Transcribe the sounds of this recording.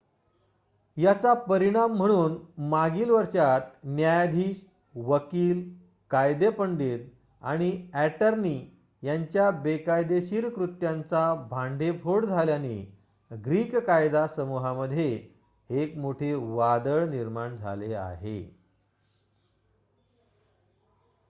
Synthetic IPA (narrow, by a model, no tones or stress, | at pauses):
jat͡sapəɾiɽ̃am̤ːəɽ̃uːnmaɡiːlʋəɾɕat̪njajad̪ʱiːɕ | ʋəkiːl | kajd̪epəɳɖit̪̚ | a̰ɽ̃iæʈəɾni | jaɲt͡ɕjabekajd̪eɕiɾkɾut̪jant͡sabʱãɳɖʱepʰoɽd͡zʱaljani | ɡɾiːkkajd̪asəmuɦaməd̪ʱje | ekmoʈʰeʋad̪əɭniɾmaɳd͡zʱa̰lea̰ɦḛ